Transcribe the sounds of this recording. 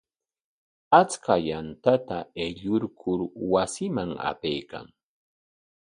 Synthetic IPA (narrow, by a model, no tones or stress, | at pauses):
at͡skajant̪at̪aeʎʊɾkʰʊɾwasɪmaŋa̰pejka̰ŋ